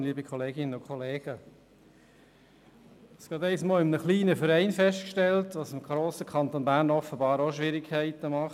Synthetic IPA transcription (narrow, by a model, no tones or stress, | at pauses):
liːbikʰχɔleːɡɪnənʊkʰχɔleːɡ̥ə | sɡ̥ɑːt̪ɛɪsmɔːlɪmənəχliːnəfəɾɛɪnfɛʃtkʃtɛltʋɑsɪmɡ̥ɾoːsəkʰɑnt̪onbæːɾnɔfəbɑːɾoʃʋɪɾikʰːæɪtəmɑχ